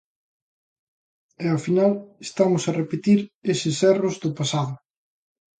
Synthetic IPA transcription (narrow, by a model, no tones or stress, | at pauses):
ɛafinalest̪amʊsɐrepet̪iɾesɪsɛrʊzðʊpasaðʊ